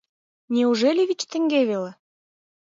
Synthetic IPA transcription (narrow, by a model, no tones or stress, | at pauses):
nʲeuʒelʲiβʲit͡ɕt̪ə̆ŋɡeβele